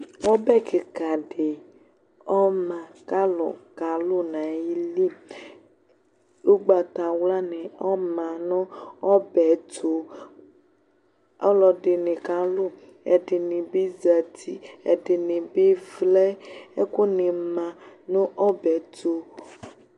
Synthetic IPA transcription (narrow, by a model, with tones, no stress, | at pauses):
wɔ˦bɛ˦ke˨ka˨ɖe˨ | ɔ˦mã˨ka˦lɔ̰˨ka˨lo˦nã˨ji˦li˦˨m | lo˦ɡ͡ba˨t̪a˨wla˦nɛ̃˨ɔ˦mã˨nɔ̃˦ɔ˦bɛ˨t̪o˨ | ɔ˦lɔ˨ɖe˨nẽ˨ka˨lo˦˨ | ɛ̰˨ɖe˨nẽ˨be˦za˨t̪ʰi˦ɛ̰˨de˨nẽ˨be˦vlɛ˦e˦ko˦ne˨mã˨nũ˦ʔɔ˦bɛ˨t̪o˦